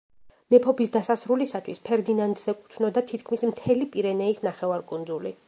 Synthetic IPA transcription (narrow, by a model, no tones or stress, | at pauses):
nɛpʰɔpisd̪asasɾulisat̪ʰwispʰɛɾd̪inand̪zɛkʼu̥t̪ʰnɔd̪at̪ʰit̪̚ʰkʰmismt̪ʰɛlipʼiɾɛnɛisnaχɛvaɾkʼund̪zuli